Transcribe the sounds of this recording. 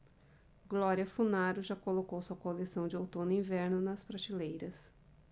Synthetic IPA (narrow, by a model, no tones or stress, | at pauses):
ɡlɔɾiɐfunaɾʊʒakolokowsuɐkolesɐ̃w̃d͡ʒɪowt̪õnʊĩvɛɾnʊnɐspɾat͡ʃilejɾɐs